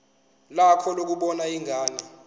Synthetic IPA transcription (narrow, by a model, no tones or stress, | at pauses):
lakʰɔlok̬uɓɔnaiŋʱaːni